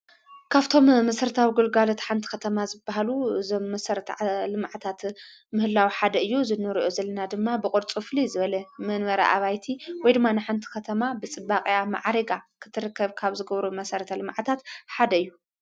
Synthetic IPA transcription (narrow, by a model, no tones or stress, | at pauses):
kʰaβt̪ʰo̞mːɐsɐɾɐt̪ʰawiɡulɡalot̪ħant̪ʰi̥kʰɐt̪ʰɐmazɨbːaɦaluɨzo̞mːɐsɐɾɐt̪ʰɐlɨmʕat̪ʰat̪ | mɨhɨlːawiħad̪ɐɨjːuzɨnːɨɾiʔozɐlːɐnad̪ɨmːabɨkʼoɾt͡sʼɨflizɨβɐlɐmɐnβɐɾa̰ʔa̰βajt̪ʰiwɔjd̪ɨmːanɨħant̪ʰi̥kʰɐt̪ʰɐmabɨt͡sʼɨbːaχʼjama̰ʕɾɐɡakʰɨ̥t̪ʰɨɾɨkʰːɐβkʰaβzɨɡɐβɾumɐsɐɾɐt̪ʰɐlɨmʕt̪ʰat̪ħad̪ɐɨjːu